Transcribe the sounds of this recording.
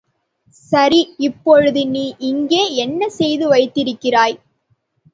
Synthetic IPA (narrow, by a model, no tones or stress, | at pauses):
sɐɾiɪpːɔɻɯðɯniːʔɪŋɡeːɛnːɐsɛjðɯʋɐɪt̪ːɪɾɯkːɪraːj